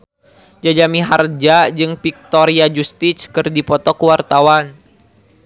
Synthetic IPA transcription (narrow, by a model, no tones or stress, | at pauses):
d͡ʒad͡ʒamiɦard͡ʒad͡ʒɨŋpik̚t̪oɾiad͡ʒust̪iskɨrdipɔt̪ɔkuwart̪awan